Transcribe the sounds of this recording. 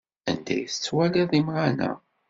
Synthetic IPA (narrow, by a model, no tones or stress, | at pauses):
æ̰nd̪æ̰jθət͡sːwæliðˤimʁanæ̰